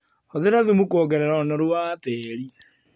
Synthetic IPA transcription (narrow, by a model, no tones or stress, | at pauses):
ɔðeɾaðemukɔːɡɛɾɛɾɔnɔɾwwaːtɛːɾi